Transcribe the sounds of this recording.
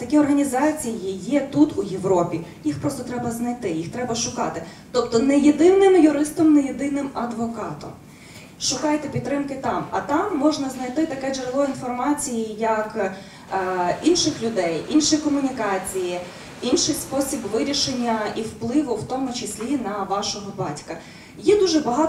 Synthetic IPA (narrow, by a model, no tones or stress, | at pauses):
t̪ɐkʲiɔrɦɐnʲizɑt͡sʲijjijɛt̪ut̪ujeʋɾɔpʲi | jixpɾɔst̪ɔt̪ɾɛbɐznɐjt̪ɪjixt̪ɾɛbɐʃʊkɑt̪ɪt̪ɔpt̪ɔnɛjed̪ɪnɪmjʊɾɪst̪ɔmnɛjed̪ɪnɪmɐd̪ʋɔkɑt̪ɔ̰m | ʃʊkɑjet̪epʲid̪̚ːɾɪmkɪt̪ɑmɐ̰t̪ɑmːɔʒnɐznɐjt̪ɪt̪ɐkɛʒeɾelˠɔinfɔrmɑt͡sʲijijɐkː | inʃɪxlʲʊd̪ɛjʔinʃɪjkɔmʊnʲikɑt͡sʲiji | inʃɪjspɔsʲibʋɪɾʲiʃenʲːɐiwplˠɪʋʊwt̪ɔmʊt͡ʃɪsʲlʲinɐʋɑʃɔɦɔbɑtʲkɐ | jid̪uʒɛbɐɦɑ